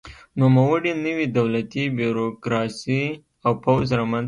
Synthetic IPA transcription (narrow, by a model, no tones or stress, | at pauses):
numawəɽinəwid̪awlat̪ibuɾokɾɑsi | awpawzɾɑmanz